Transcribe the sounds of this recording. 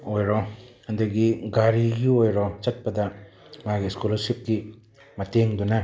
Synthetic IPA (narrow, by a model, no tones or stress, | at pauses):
ojɾɔhɐndɐɡiɡaɾiɡiojɾɔt͡ʃɐt̚pɐdɐ | maɡiskulɐɾsip̚ki | mɐteŋdunɐ